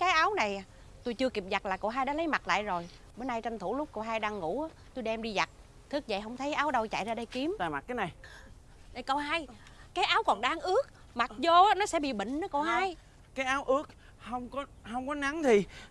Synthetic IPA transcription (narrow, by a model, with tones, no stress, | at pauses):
kaː˨˦jʔaː˨˦wna˨˩j | t̪o˧jt͡ɕɨ˧əki˨˩p̚za˨˩t̚laː˨˩ko̰˧˩ɦaː˧jɗaː˧˥lə˨˦jma˨˩t̚la̰ː˧˨jzo˨˩j | ɓoː˨˦jnaː˧jt͡ɕə˧nt̪ʰu˧˩lʊ˦˥k͡p̚kə˧˩wɦaː˧jɗaː˧ŋːṵ˧˩˥aː˨˦t̪o˧jɗɛ˧mɗi˧za˨˩t̚ | t̪ʰɨ˦˥k̚zə̰˧˨˩ɦə˧wŋ͡mt̪ʰə˨˦jʔaː˨˦wɗə˧wt͡ɕa̰˧˨jzaː˧ɗə˧jki˨˦əmt̪a̰ː˧˨jma˨˩t̚kaː˨˦jna˨˩j | ɗa˨˩jkə˧wɦaː˧j | kaː˨˦jʔaː˨˦wkɔ˨˩nɗaː˧ŋʔɨ˦˥ək̚ | ma˨˩t̚zoː˧˨˦nɔ˨˦sɛ̰˧˥ɓḭ˧˨ɓḭ˧˨ŋ̟nə˨˦ko˧˩haː˧j | kaː˨˦jʔaː˨˦wʔɨ˦˥ək̚ | hə˧wŋ͡mkɔ˨˦hə˧wŋ͡mkɔ˨˦na˨˦ŋt̪ʰi˨˩